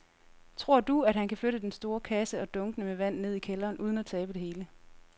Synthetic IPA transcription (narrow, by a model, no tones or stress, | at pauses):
t͡sʰʁo̝ɐ̰d̥uæd̥hænkʰæfløɾəd̥ensd̥o̝ːɐkʰæsəɒ̽d̥ɔ̽ŋɡ̥ənəmeʋæn̰ne̝ð̞̰ˠikʰelɐːnʔuːð̞ˠn̩æt͡sʰɛːb̥əd̥e̝he̝ːlə